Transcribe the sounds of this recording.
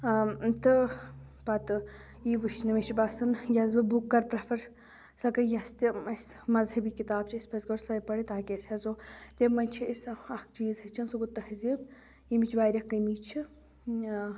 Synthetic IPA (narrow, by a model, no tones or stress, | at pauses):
t̪ɨpɐt̪ɨ | iːʋɨʃnɐʋet͡ʃibasɨnjɐzbɨbukːɐɾpɾɐfʰɐɾ | sɐkɐjɐst̪iɐsmɐzhɐbiːkit̪aːb̚t͡ʃʰiɐsʲpɐzɡɐɾsɐpɐɽit̪aːkʲesʲɐzoːt̪emɐnʲt͡ʃʰiɐsɐk̚t͡ʃiːzɦɐt͡ʃʰɐnsuɡut̪ːɐhziːb | imit͡ʃʰbaːɾʲɐkːɐmiːt͡ʃʰi